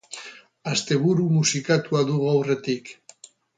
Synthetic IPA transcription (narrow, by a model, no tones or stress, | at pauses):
ast̪e̞βuɾumusikat̪uaðuɣuawre̞t̪ik